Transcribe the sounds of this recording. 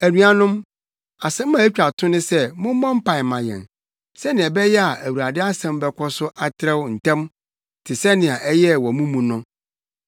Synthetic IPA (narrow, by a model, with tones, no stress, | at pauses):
æ˨nũ˦a˨nʊ̃˦m | a˨sɛ̃˦m̩˦mã˨æ˦t͡ɕᶣa˨tʰʊ̃˦nɪ̃˦sɛ˦mʊ̃˦m˦mɔ̃˦m̩˦pʰa˨ɪ˨mã˨jɛ̰̃˨n | sɛ˦nɪ̃˨ɛ˨bɛ˦jɛ˦a˨ʔæ˨wu˨ɾa˨dɪ˦a˦sɛ̃˦m˦bɛ˦kʷʰɔ˦sʊ˦ʔa˦tʰɪ˦ɾɛ˦wn̩˨tʰɛ̃˦m | tʰɪ˨sɛ˦nɪ̃˨a˨ʔɛ˦jɛ˦wɔ˨mũ˦mũ˨nʊ̃˦